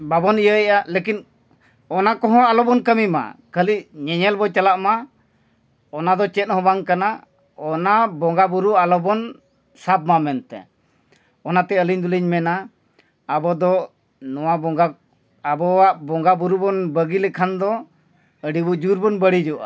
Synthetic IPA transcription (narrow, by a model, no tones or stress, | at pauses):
babɔnijəɛʔalekin | ɔnakɔɦɔ̃alɔbɔnkəmima̰kəliʔɲɛɲɛlbɔt͡ʃalaʔma | ɔnad̪ɔt͡ʃɛt̪̚hɔ̃baŋkana | ɔnabɔŋɡabuɾualɔbɔn | sab̚mamɛnt̪ɛ̰ | ɔnat̪ɛəliɲd̪uliɲmɛnaː | bɔd̪ɔ | nɔwabɔɡa | abɔwaʔbɔŋɡabuɾubɔnbəɡilɛkʰand̪ɔ | əɖibud͡ʒuɾbɔnbəɽid͡ʒɔʔa̰